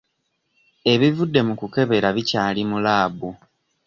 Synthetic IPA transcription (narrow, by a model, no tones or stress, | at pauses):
e̞βivudːe̞mukuke̞βe̞ɾaβicaːlimulaːbu